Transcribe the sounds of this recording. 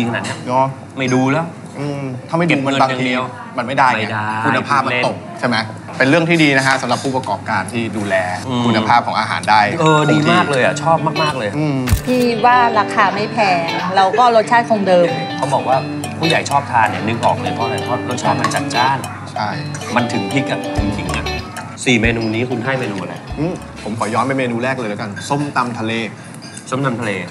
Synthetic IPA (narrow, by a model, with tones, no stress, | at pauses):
t͡ɕi˧ŋna˨˦ni˥˩ɐŋɔ˨˦˥ | ma˥˩jduː˧lɛː˦˥w | ʔɯː˧mt̪ʰa˥˩ma˥˩e˨˧˩mə˧baː˧i˧ | ma˧nma˥˩jdaː˥˩ja˥u˧nːa˧pʰaː˥˩p̚ma˧nt̪o˨˩k̚t͡ɕʰa˥˩ma˦˥j | pe˧nɾɯ˥˩əŋt̪iː˥˩diː˧n˦˥kʰa˦˥sa˨˦ɾa˨˩pʰːuː˥˩p̚a˧kɔː˨˩p̚kaː˧nt̪ʰiː˥˩duː˧lɛː˧kʰu˧nːa˧pʰaː˥˩ɔ˩˦ʔaː˧ɦa̰ː˩˦ndaː˥˩jʔɤː˧diː˧maː˧˥˩k̚lɤː˧jʔa̰˨˩t͡ɕʰɔː˥˩p̚maː˥˩k̚maː˥˩k̚lɤː˧jʔɯː˧mt̪ʰiː˥˩waː˥˩ɾaː˧kʰaː˧ma˥˩jpʰɛː˧ɾa˧wkɔː˥˩ɾo˦˥t̪̚t͡ɕʰaː˥˩nkʰo˧ŋdɤː˧mkʰa˦˥wbɔː˨˩k̚waː˥˩ | pʰuː˥˩ja˨˩˦jt͡ɕʰɔː˥˩p̚t̪ʰaː˧nːi˥˩nɯ˨˧˩k̚ʔɔ̰ː˨˩k̚lɤː˧jpʰɔ˧a˧ɾa˧jk̪ʰɔ˦˥˩ɾo˦˥t̪̚t͡ɕʰaː˥˩p̚ma˧nt͡ɕa˨˩t̪̚t͡ɕaː˥˩n | t͡ɕʰa˥˩jma˧nt̪ʰɯ˩˦ŋt̪ʰiː˥˩ka˨˩p̚kʰu˧mkʰi˨˩˦ŋːa˧˩n | siː˨˩meː˧nuː˧niː˦˥kʰu˧nɦaː˥˩jmeː˧nuː˧mʔa˨˩la̰˨˧˩ʔɯː˧˥˩ | pʰo˩˦mkʰɔː˩˦jɔː˦˥nma˧˥˩jmeː˧nuː˧ɾɛː˥˩k̚lɤː˧jla˨˦ka˧nso˥˩mt̪a˧mt̪ʰa˧leː˧ | so˥˩mt̪a˧mt̪ʰleː˧